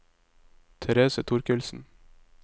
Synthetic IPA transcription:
t̪ʰɛɾeːsət̪ʰʊɾkʉlsn̩

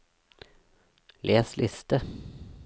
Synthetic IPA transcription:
lʔeːslʔɪst̪ə

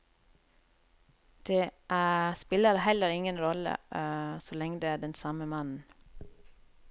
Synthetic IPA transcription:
d̪̥eːʔspɪləɾhɛləɾɪŋənɾɔlə̰sɔlɛŋəd̪eːæːɖɛnsɑməmɑnn̩

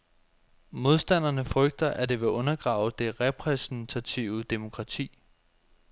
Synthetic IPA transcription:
mo̝ð̞ˠsd̥æn̰ɐnəfʁœɡ̥̚d̥ɐʔæd̥e̝ʋe̝ʔɔ̽nɐɡ̥ʁɑ̈ːʊd̥e̝ʁɛpʰʁɛsn̩t͡sʰæt͡sʰiʊəd̥emo̝kʰʁɑ̈t͡sʰḭː

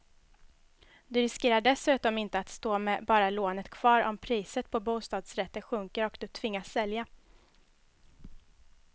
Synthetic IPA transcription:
d̪ɵɾɪskeːɾaɖɛsʉ̟ːt̪ɔmɪnt̪əat̪st̪oːmɛbɑːɾaloːnət̪kʰv̥ɑːɾɔ̰mpʰɾiːsət̪̚pʰɔbuːst̪ɑːd̪sɾɛt̪ːəɧɵŋkəɾɔkd̪ɵt̪ʰvɪŋːasːɛlja

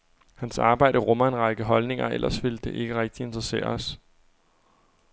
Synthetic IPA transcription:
hænsɑ̈ːb̥ɑ̈ɪ̰d̥əʁɔ̽mɐe̝nʁɑ̈ɡ̥əɦɒ̽lne̝ŋɐʔel̰ɐsʋe̝ld̥e̝ʔe̝ɡ̥əʁɛɡ̥̚d̥ie̝nd̥ʁɐse̝̰ːɐ̰ɒs

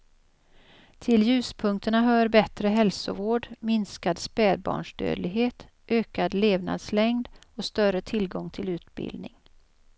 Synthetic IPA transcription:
t̪ʰɪljʉ̟ːspʰɵŋk̚t̪əɳaɦœːɾbɛt̪ɾəɦɛlsʊ̰voːɖmɪnskad̪spæːɾbɑ̰ːɳʂɖ̪ø̰ːd̪lɪɡɦeːt̪ | ʔøːkad̪leːvna̰d̪slɛŋd̪ɔst̪œrət̪ʰɪlɡɔŋt̪ʰɪlʉ̟ːt̪bɪ̰ld̪nɪ̰ŋ

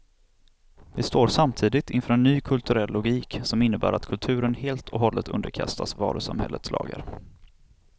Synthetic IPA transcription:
vɪst̪oːɾsamt̪ʰiːd̪ɪt̪ʰɪnfœːɾɛnːyːkʰɵlt̪ʰɵɾɛlːʊɡiːksɔmɪnːəbæ̰ːɾat̪kʰɵlt̪ʰʉ̟ːɾənheːlt̪ʰɔɦɔlːət̪ʰɵ̰nd̪əɾkʰa̰st̪ʰasvɑ̰ːɾɵsamhɛ̰lːət̪slɑ̰ːɡa̰ɾ

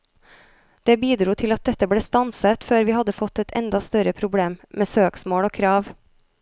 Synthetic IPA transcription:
d̪̥eːbiːd̪ɾuːt̪ʰɪlɑt̪̚d̪ɛt̪əbɽeːst̪ɑnsət̪føːɾʋiːhɑd̪əfɔt̪ːɛt̪ʰɛ̰nd̪ɑst̪œɾəpʰɾʊbɽeːmmeːsøːksmoːɽoːkʰɾɑːʋ

